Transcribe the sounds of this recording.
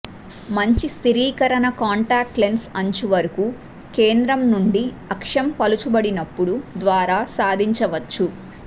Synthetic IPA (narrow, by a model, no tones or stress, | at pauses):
mɐɲt͡ʃist̪iɾiːkɐɾɐnɐkaːɳʈaːk̚ʈlensɐɲt͡ʃiʋɐɾukuː | ke̞ːnd̪ɾɐmnuɳɖi | ɐkʂɐmpɐlut͡ʃubɐɽinɐpːuɽud̪ʋaːɾaːsaːd̪ʱiɲt͡ʃɐʋɐt͡ʃːu